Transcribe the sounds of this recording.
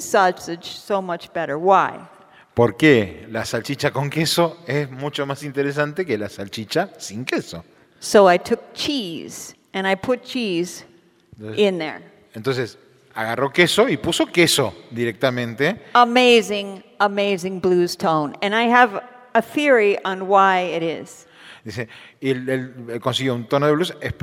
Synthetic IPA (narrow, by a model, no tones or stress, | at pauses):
sɑsɨ̥d͡ʒ̥soʊmʌt͡ʃb̥ɛɾə˞waɪ | poɾkelasalt͡ʃit͡ʃakõŋkesoesmut͡ʃomasint̪eɾes̬ãnt̪ekelasalt͡ʃit͡ʃasĩŋkeso̰ | soʊaɪtʰʊk̚t͡ʃʰiz̥ | ɨ̃ñaɪpʰʊt̚t͡ʃʰiz | ɪ̃nðə̰˞ | ẽnt̪onses | aɣarokesoipusokesod̪iɾek̚t̪amẽnt̪eəmeɪzɪ̃ŋ | əmeɪzɪ̃ŋbluz̥tʰõʊ̃nɨ̃naɪɨv | əθɪɹiʔə̃nwaɪɪɾɪ̰z̥ | d̪iseelelkõnsiɣjount̪onoðeβlusehp